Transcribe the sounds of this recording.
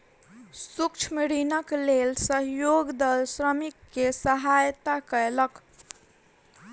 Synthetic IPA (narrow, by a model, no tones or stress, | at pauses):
sukt͡ʃʰmiɾinəklelsəɦjoɡd̪əlsɾəmikːesəɦajt̪akəelək